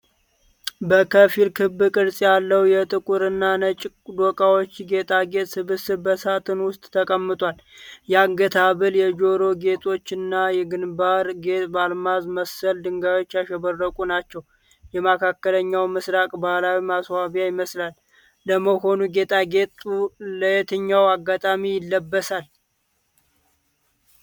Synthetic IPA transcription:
bəkʰəfilkʰɨbɨkʼɨɾsʼjalːəwjɛt̪ʼɨkʼuɾɨnːanət͡ʃʼ | d̪okʼawo̞t͡ʃːɡe̞t̪ʼʰaɡe̞t̪ʼsɨβɨsɨbəsat̪ʰɨnwʊst̪ʼt̪ʰəkʼəmːɨt̪ʼwal | jɛaŋɡət̪ʰaβɨljɛd͡ʒo̞ɾo̞ɡe̞t̪ʰʼo̞t͡ʃːɪnːajɛɡɨnbaɾɡe̞t̪ʼbalmazməsːəld̪ɨŋɡajo̞t͡ʃːjaʃɛβərːəkʼunat͡ʃːɛw | jɛmakʰakːələɲːawmɨsɾakʼbahlawimaswaβjajɪməslalː | əməho̞nuɡe̞t̪ʼaɡe̞t̪ʼuləjɛt̪ʰɨɲːawaɡːat̪ʼamijɪlːəbːəsal

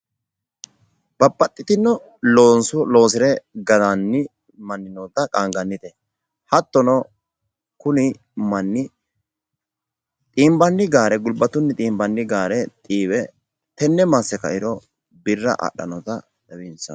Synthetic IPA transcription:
b̥ɐpːɐt̪ʼːɪt̪ɪnːɔ | loːnsʊlo̞ːs̬ɪɾɛɡɐd̪anːɪ | mɐnːɪnɔt̪ɐkʼaːŋɡɐnːɪt̪ɛ | hɐt̪ːɔnɔ | kʊnɪ | mɐnːɪ | t̪ʼiːmbɐnːɪɡaːɾɛɡʊlbɐt̪ʊnːɪt̪ʼiːmbɐnːɪɡaːɾɛt̪ʼiːwɛ | t̪ɛnːɛmasɛkɐ̰ʔɪɾɔ | bɪrːɐ̰ʔɐ̰ɗːɐ̰nɔt̪ɐ | d̪ɛwinsɐ̰

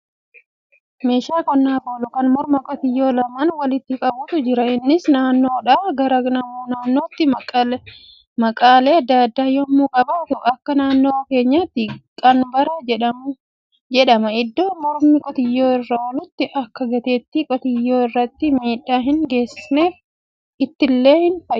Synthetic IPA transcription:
me̞ːʃaːkɔnːaːboːlʊkɐnmɔɾmɐkʼɔt̪ɪjːo̞ːlɐmɐnwɐlɪt̪ːɪkʼɐbʊt̪ʊd͡ʒɪɾɐɪnːɪsnaːnːo̞ːᶑaːɡɐɾɐnɐmunaːnːo̞ːt̪ːɪ | mɐkʼaːleːɐd̪ːaːd̪ːaːjɔmːuːkʼɐbaːt̪ʊɐkːɐnaːnːoːke̞ːɲːat̪ːɪkʼɐnbɐɾɐd͡ʒɛᶑɐmʊ | d͡ʒɛᶑɐmɐɪd̪ːo̞ːmɔɾmɪkʼɔt̪ɪjːoːɪrːɐwɐlʊt̪ːɪʔɐkːɐɡɐt̪eːt̪ːɪkʼɔt̪ɪjːoːɪrːɐt̪ːɪmiːᶑːaːɦɪnɡe̞ːsːɪsneːf | ɪt̪ːɪlːe̞ːhɪnfɐ

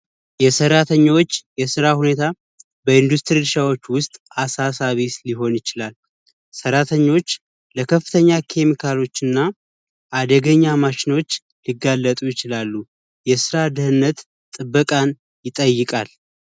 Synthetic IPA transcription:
jɛsəɾat̪ʰəɲːwot͡ʃːjɛsɨɾahune̞t̪ʰa | bəɨnd̪ust̪ʰʼɾilɨʃawo̞t͡ʃːwʊst̪ʼasasaβisliɦo̞njɪt͡ʃɪlal | səɾat̪ʰəɲːo̞t͡ʃː | ləkʰəfːɨt̪ʰəɲːakʰe̞mikʰalo̞t͡ʃːɨnːa | ʔad̪əɡəɲːamaʃɪno̞t͡ʃː | liɡːalːət̪ʼujɪt͡ʃɪlalːu | jɛsɨɾad̪ɨhɨnːət̪ | t̪ʼɨbːəkʼan | jɪt̪ʼəjːɨkʼal

